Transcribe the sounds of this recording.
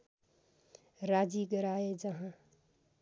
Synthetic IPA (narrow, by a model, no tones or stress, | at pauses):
ɾad͡ʒiɡəɾaed͡ʒʌɦã